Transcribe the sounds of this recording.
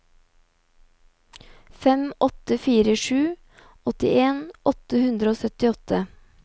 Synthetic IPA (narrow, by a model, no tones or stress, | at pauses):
fɛmɔt̪əfiːɾəʃʉː | ʔɔt̪ɪ̰eːnʔɔt̪əhʉnd̪ɾoːsœt̪ɪɔt̪ʰə